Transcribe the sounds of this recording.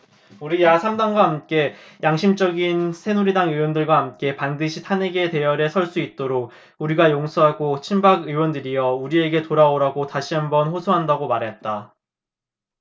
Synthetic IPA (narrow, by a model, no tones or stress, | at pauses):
uɾijasʰamdaŋɡwaɦamk͈e̞jaŋɕʰimt͡ɕʌɡinsʰe̞nuɾidaŋɯwʌndɯɭɡwaɦamk͈e̞pandɯɕʰitʰaneɡete̞jʌɾesʰʌɭs͈uit̚t͈oɾok̚ | uɾiɡajoŋsʰoɦaɡot͡ɕʰimbaɡɯwʌndɯɾijʌuɾie̞ɡe̞toɾaoɾaɡotaɕʰiɦambʌnɸosʰoɦandaɡomaɾɦe̞t̚t͈a